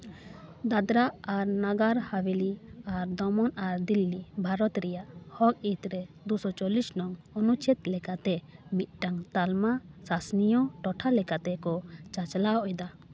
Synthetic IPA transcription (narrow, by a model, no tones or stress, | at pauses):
d̪ad̪ɾaaɾnaɡaɾhawiliaɾd̪ɔmɔnaɾd̪ilːibʱaɾɔt̪ɾɛjaʔhɔk̚it̪ɾɛd̪usɔt͡ʃɔlisnɔŋɔnut͡ʃʰɛt̪lɛkat̪ɛmit̪̚ˀʈaŋt̪almasasnijɔʈɔʈʰalɛkat̪ɛkɔt͡ʃat͡ʃlaɔʔɛd̪a